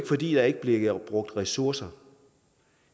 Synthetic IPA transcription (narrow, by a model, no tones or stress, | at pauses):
ɡəfɒ̽d̥ḭːd̥ɑ̈æɐe̝ɡəb̥le̝ɡb̥ʁɔ̽ɡ̥̚d̥ʁɛsuɐ̰sɐ